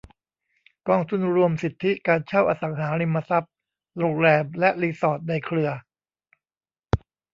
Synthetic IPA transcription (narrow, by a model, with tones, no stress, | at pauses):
kɔː˧ŋt̪ʰu˧˩nɾu˧əmsi˨˩t̪ʰːi˦˥kaː˧nt͡ɕʰa˥˩wʔaː˧sa˩˦ŋɦaː˩˦ɾi˧mːa˧sa˦˥p̚ | loː˧ŋ̚lɛː˧mlɛ˦˥ʔliː˧sɔː˨˩t̪̚na˧jkʰɾɯ˧ɐ